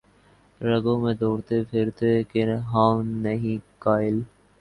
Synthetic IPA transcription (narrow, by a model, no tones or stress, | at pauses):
ɾəɡõːmẽːd̪oːɾt̪epʰɪɾt̪ekɪnɦaːʋnəɦĩkaːɪl